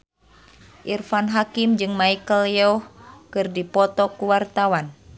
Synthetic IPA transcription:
ʔirfanɦakimd͡ʒɨŋmaikəljɛɔhkɨrdipɔt̪ɔkuwart̪awan

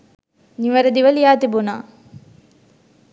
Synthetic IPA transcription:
niʋɐɾɐd̪iʋɐlijaːt̪ibuna̰ː

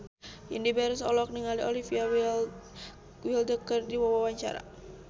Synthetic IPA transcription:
indibaɾusɔlɔk̚niŋaliolifia | wildəkərdiwawawaɲt͡ʃa̰ɾa̰

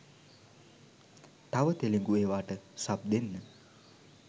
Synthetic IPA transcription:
t̪aʋət̪eleŋɡueːʋaːʈəsab̚d̪enːə

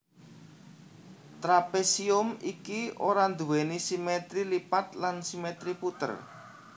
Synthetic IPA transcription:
t̪ɾapesiʊmikioɾand̪uwenisimet̪ɾilipat̪lansimet̪ɾiput̪ə̰r

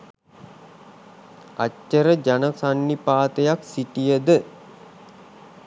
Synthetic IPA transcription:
a̰cːəɾəd͡ʒanəsanːipaːt̪əjaksiʈijəd̪ə

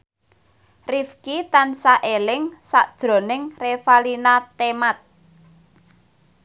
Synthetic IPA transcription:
rifkit̪ansaʔelɪŋsaʔd̥ʒ̥ɾo̤nɪŋrefalinat̪emat̪̚

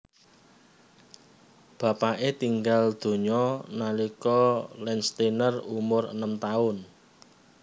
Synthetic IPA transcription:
b̥ä̤paʔet̪iŋɡald̪̥o̤ɲɔnalikɔlɛnst̪inərumʊrə̰nəmt̪aʊn

